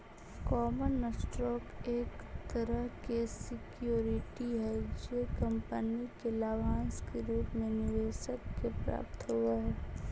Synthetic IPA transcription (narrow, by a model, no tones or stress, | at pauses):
kɔːmənːəsʈɾɔːkeːkt̪əɾəɦkesɪkjoːɾɪʈiɦɛd͡ʒekɐ̃mpənikelaːʋãːnskeɾuːpmẽnɪʋeːʃəkːepɾa̰ːp̚t̪ɦuaɦɛː